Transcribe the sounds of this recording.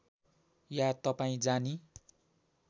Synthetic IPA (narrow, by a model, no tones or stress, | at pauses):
jat̪ʌpaĩd͡zani